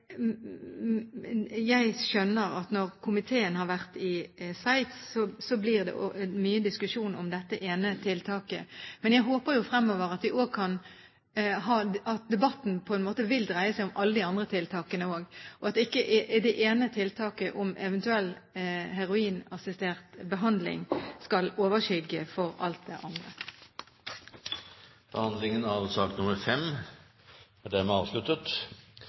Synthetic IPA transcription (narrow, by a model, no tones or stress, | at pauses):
jæɪʃœnːəʁɑt̪nɔʁkʰʊmɪt̪ʰeːənhɑɾʋæʁt̪ɪsʋæɪt̪sːɔsɔblɪʁd̪ɛ̰ʔo̰myːəd̪ɪskʉʂuːnɔ̰md̪ɛt̪ːəʔeːnət̪ʰɪlt̪ʰɑːkəmɛnjæɪɦoːpəɾjʊfɾɛmːɔːʋəʁɑt̪ʋɪʔoːɡ̚kʰɑn | ɦɑːɑt̪̚d̪ɛbɑt̪ːn̩pʰɔɛnmoːt̪əʋɪld̪ʁæɪəsæɪʊmʔɑlːəd̪ɪɑnd̪ʁət̪ʰɪlt̪ʰɑːkənəoːɡʔɔɑt̪ɪkːəʔʔɪd̪ɛʔeːnət̪ʰɪlt̪ʰɑːkəʔʊmʔɛʋɛnt̪ʉɛlːɦæʁʊiːnɑsɪst̪eːʁt̪bəɦɑnd̪lɪ̰ŋskɑloːʋəʃʏɡəfɔʁɑ̰lt̪̚d̪ɛʔɑnd̪ʁə̰ | b̥əhɑnd̪lɪŋənæʋsɑːk̚t̪nʊməɾfɛm | æd̪æmɛɑːʋslʉt̪ːət̪